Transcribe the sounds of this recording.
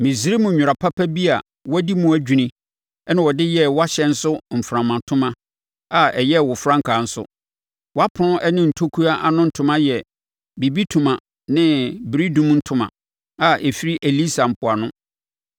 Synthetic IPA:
mĩ˨si˨˦ɾi˦mũ˨ɲᶣʊ˨ɾa˨pʰa˦pʰæ˦bi˦a˨ | wɔ˦di˦mũ˦æ˨d͡ʑᶣu˨nĩ˦ | ɛ˦nɪ̃˨wɔ˨dɪ˦jɛ˦wɔ˦a˦ɕɛ˨n̩˦sʊ˦m̩˨fɾã˨mã˨tʰʊ̃˦mã˦ | a˨ɛ˨jɛ˦wɔ˨fɾã˦ŋkʰa˨n̩˦sʊ̰˦ | wɔ˦a˦pʰʊ˨nʊ̃˦ʔɛ˦nɪ̃˦n̩˨tʰo˦kʰu˦a˦ʔa˨nʊ̃˦n̩˨tʰʊ̃˨mã˦jɛ˨ | bi˨bi˦tʰũ˨mã˨ | nɪ̃˦bɾi˦dũ˦m˦n̩˦tʰʊ̃˨mã̰˨ | a˨ʔɛ˨fi˦ɾi˦ʔe˨li˦sa˨m̩˨pʰʊ˨a˨nʊ̃˦

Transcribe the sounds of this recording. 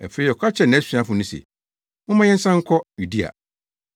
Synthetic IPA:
ɛ˨fe˨˦i˦˨ɔ˨kʰa˦t͡ɕʰɛ˦˨nɪ̃˨˦sĩ˨ã˦fʊ̃˨nĩ˦sḛ˨ | mʊ̃˦mã˦jɛ̃˦n̩˦sã˦ŋ̩˦kʰɔ˦ju˨di˦a̰˨

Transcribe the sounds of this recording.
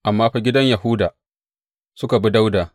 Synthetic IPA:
ʔa˨mːaː˦ɸa˦ɡʲɪ˦dɐ˦ɲja˨hʊ˦daː˨ | sʊ˦ka˨bi˦da˦wdaː˨

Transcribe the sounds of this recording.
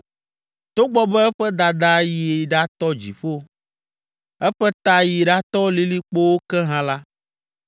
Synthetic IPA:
t̪o˦ɡ͡bɔ˦bɛ˦ɛ˦ɸɛ˦d̪a˨d̪a˦ji˨e˨ɖa˦t̪ɔ˦d͡ʑḭ˨ɸo˦ | ɛ˦ɸɛ˦t̪a˦ji˨ɖa˦t̪ɔ˦li˦li˦k͡po˦wo˦kɛ˦ɦã˦la˦

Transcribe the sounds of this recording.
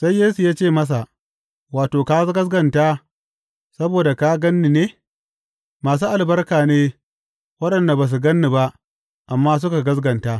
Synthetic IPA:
sa˦jːeː˦su˨jaː˦t͡ʃeː˦˨mɐ˦s̬a˨ʔ | waː˨toː˨ka˦ɡɐ˦zɡɐ˨ntaː˦ | sɐ˦boː˨da˨ka˦ɡɐ˦nːi˨neː˦ | maː˨s̬uː˦ʔa˨lbɐ˦rkaː˨neː˦ | wɐ˦ɗɐ˨nda˨ba˨s̬u˨ɡɐ˦nːi˨ba˦ʔ | ʔa˨mːaː˦s̬ʊ˦ka˨ɡɐ˦zɡɐ˨ntaː˦

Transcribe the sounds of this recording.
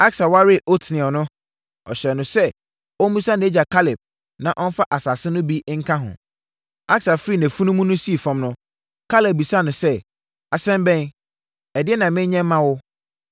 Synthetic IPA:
a˦ksa˨wa˦ɾɪ˦˨ʔo˦tʰnɪ̃˨ɔ˨nʊ̃˦ | ɔ˨ɕɛ˨nʊ̃˨sɛ˦ | ɔ˦m˦mĩ˦sã˦ñ˨˦e˦d͡ʑa˨kʰa˦lɪ˨p̚ | nã˨ʔɔ˦n˦fa˦ʔa˨sa˨sɪ˦nʊ̃˦bi˦ŋ̩˦kʰã˦ɦʊ̰̃˨ | a˦ksa˨fɾi˦˨næ̃˨fu˦nũ˦mũ˦nʊ̃˦si˦e˨fɔ̃˦mnʊ̃˦ | kʰa˦le˨p̚bi˨sa˦˨nʊ̃˨sɛ˦ | a˨sɛ̃˦mbɛ̃˦n | ɛ˨dɪ˦ɛ˦nã˨mɪ̃˦ɲ˦ɲɛ̃˦m˦mã˦wʊ˦

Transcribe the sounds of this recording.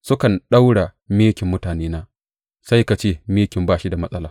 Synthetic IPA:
sʊ˦kɐ˨nɗa˦wɽa˨ | meː˦kʲɪ˨mːʊ˦taː˨neː˦naː˦ | sa˦jka˨t͡ʃeː˦meː˦kʲɪ˨mbaː˦ʃi˦da˨mɐ˦sʼɐ˦laː˨

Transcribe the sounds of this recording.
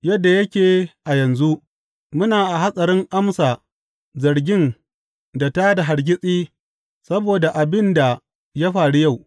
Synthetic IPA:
jɐ˦dːa˨jɐ˦kʲeː˨ʔa˨jɐ˨nzu˦ʔ | mʊ˦naː˨ʔa˨ɦa˦sʼɐ˨ɾɪ˦ŋʔa˦msaː˨ | zɐ˨ɾɡʲɪ˦n | da˨taː˦da˨ɦa˨ɾɡʲɪ˦sʼiː˦ | sɐ˦boː˨da˨ʔa˨bɪ˦nda˨ | ja˦ɸaː˨ɽu˦ja˦˨w

